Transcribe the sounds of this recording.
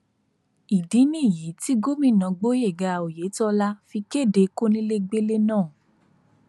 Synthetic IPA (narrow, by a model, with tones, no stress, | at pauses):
i˨di˨˦nĩ˦˨ji˨˦ti˦ɡo˦mĩ˦˨nã˨˧ɡ͡bo˦je˦˨ɡa˧o˨je˨˦tɔ˦˧la˦fi˧ke˦˨de˧ko˦nĩ˦le˦ɡ͡be˦le˦nãː˦˨